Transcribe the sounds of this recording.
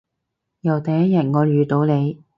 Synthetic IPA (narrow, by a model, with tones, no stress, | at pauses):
jɐ˨˩wt̪ɐ˨jɐ˥t̚jɐ˨˩t̚ŋɔː˨˧ɥyː˨t̪o˨˧wne˨˧j